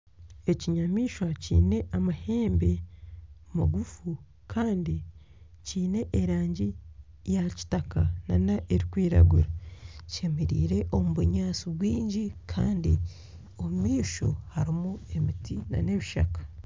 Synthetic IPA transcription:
e̞ciɲamiːʃwacḭːne̞ʔamahe̞ːmbe̞ | omaɡufu | kʰaːndi | ciːne̞ʔːɾaːɲɟi | jaci̥takananaʔeɾikwiːɾa̰ɡuɾace̞meɾiːɾe̞ʔo̞muβuɲaːsiβwiːɲɟikʰaːndḭ | o̞mumiːʃo̞haɾimue̞mitina̰ne̞βiʃa̰kḁ

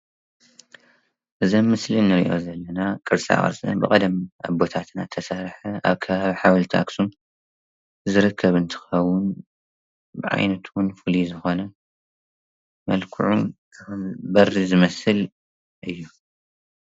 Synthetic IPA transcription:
ʔɨzɐmːɨslinɨɾḭʔo̞̰zɐlːɐnakʼɨɾsʼa̰χʼɐ̰ɾsʼɐ̰nbɨkʼɐd̪ɐma̰bo̞t̪ʰat̪na̰t̪ʰɐsaɾħɐa̰βkʰɐβaβiħawlt̪ʰa̰ksum | zɨɾɨkʰːɐβɨnt̪ʰɨ̥xɐwːʊn | bɨʕa̰jnɐt̪wʊnfulizɨxo̞nɐ | mɐ̰lkʰuʕṵn | ɨxɨmbɐrːizɨmɐsɨl | ʔɨjːu

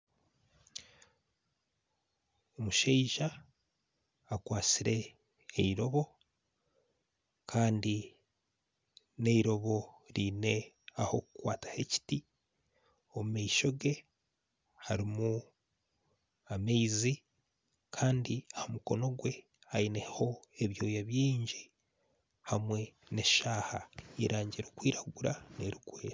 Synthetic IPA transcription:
omuʃeiʒa | kwaːt͡siɾe̞ː | iɾo̞βo̞ | kʰaːndi | ne̞iɾo̞βo̞ | ɾiːne̞ | aho̞kukwaːtḁhe̞ci̥ti | o̞mumaiʃo̞ɡe | haɾimu | ameizi | kʰaːndiahomuko̞no̞ɡwe̞ | hainehho̞eβjo̞ːjaβjiːɲɟi | hamwe̞ | ne̞ʃaːhaiɾaːɲɟiɾokwiːɾaɡuɾaneɾiɡweːɾa

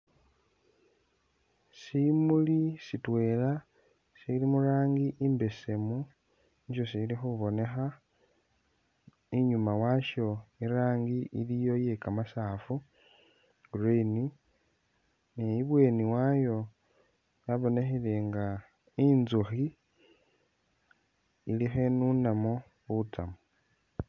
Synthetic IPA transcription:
simulisitwe̞ːla | silimuɾaːŋɡiʔimbe̞se̞mu | ɲʃosilixuβo̞ne̞xa | iɲumawaʃo̞iɾaːŋɡiʔilijo̞je̞kamasaːfu | ɡureni | nejiβwe̞ːniwajo̞ | jaβo̞ne̞xile̞ŋɡa | inzuxi | lixe̞nunamo | uβutamo

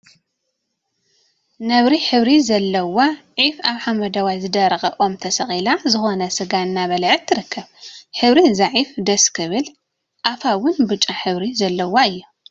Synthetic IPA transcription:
nɐβɾiħɨβɾizɐlːɐwaʕifaβħamɐd̪ɐwajzɨd̪ɐɾɐxʼɐʔo̞mt̪ʰɐsɐxʼilazɨxo̞nɐsɨɡanːaβɐlʕɨt̪ʰːɨɾɨkʰːɐβħɨβɾizaʕifd̪ɐskʰɨβɨl | ʔafawʊnbɨt͡ʃʼaħɨβɾizɐlːɐwaɨjːu

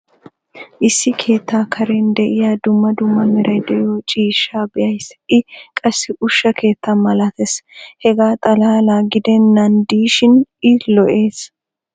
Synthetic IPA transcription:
ʔɪsːɪkʰe̞ːt̪ːaːkʰɐɾɛnd̪ɛʔɪjaːd̪ʊmːɐd̪ʊmːɐmɛɾʔɐjd̪ɛʔɪjoːt͡ʃʼiːʃːaːbɪʔɐjsʔɪkʼɐsːɪʔʊʃːɐkʰe̞ːt̪ʰːanmɐlat̪ɛshɛɡaːt̪ʼɐlaːlaːɡɪd̪ɛnːɐnd̪iːʃɪnʔɪlɔʔe̞ːs

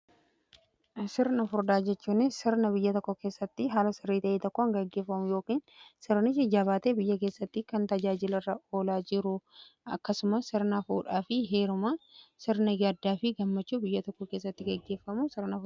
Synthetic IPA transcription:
sɪɾnɐfʊɾd̪aːd͡ʒɛt͡ʃːuːnːɪsɪɾnɐbɪjːɐt̪ɔkːɔke̞ːsːɐt̪ːɪɦaːlɐsɪrːiːt̪ɐʔeːt̪ɔkːoɐŋɡɐɡːe̞ːfːɐmʊjo̞ːkiːnsɪɾnɪsɪd͡ʒaːβaːt̪eːbɪjːɐke̞ːsːɐt̪ːɪkɐnt̪ɐd͡ʒaːd͡ʒɪlɐrːɐo̞ːlaːd͡ʒɪɾʊʔɐ̰kːɐsʊmɐsɪɾnafuːᶑaːfɪɦe̞ːɾʊmasɪɾnɐjaːd̪ːaːfɪɡɐmːɐt͡ʃːuːbɪjːɐt̪ɔkːɔke̞ːs̬ːɐt̪ːɪɡɐɡːe̞ːfːɐmʊsɪɾnɐfʊ

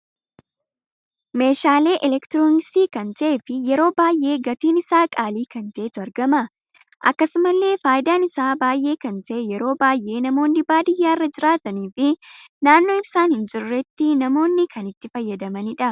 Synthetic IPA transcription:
me̞ːʃaːle̞ːʔɛlɛkt̪ɪɾoːnsiːkɐnt̪ɐʔeːfɪjɛɾo̞ːbaːjʔe̞ːɡɐt̪iːnɪsaːkʼaːliːkɐnd͡ʒ̪e̞ːt̪ʊɐɾɡɐmɐ | ʔɐ̰kːɐsʊmɐlːe̞ːfaːjɪd̪aːnɪsaːbaːjʔe̞ːkɐnt̪ɐʔɛjɛɾo̞ːbaːjʔe̞ːnɐmo̞ːnːɪbaːd̪ɪjːaːrːɐd͡ʒɪɾaːt̪ɐniːfɪnaːnːo̞ːɪbsaːnhɪnd͡ʒɪɾʊrɛt̪ːɪnɐmo̞ːnːɪkʰɐnɪt̪ːɪfɐjːɐd̪ɐmɐnɪᶑɐ

